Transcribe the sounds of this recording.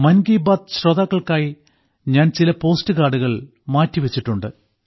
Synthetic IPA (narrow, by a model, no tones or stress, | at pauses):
mɐnɡiːbaːd̪̚ɕroðaːkːɐɭkaːji | ɲaːnt͡ɕilɐpo̞ːstɨkaːɖuɣɐɭ | maːtːiʋet͡ɕːiʈːuɳɖɨ